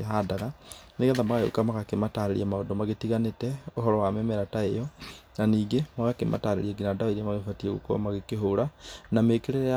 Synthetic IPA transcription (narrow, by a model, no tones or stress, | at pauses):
ɦadaɣaneɣɛðamaɣajo̰kamaɣakemataɾeɾḭamaodomaɣetiɣanetɛoɦɔɾɔwamɛmɛɾataejɔnaniːɡemaɣakemʔa̰taɾḛɾiɛɡinadaoiamaɣefatiɛɣo̰ko̰maɣekeɦoɾanamekeɾeɛ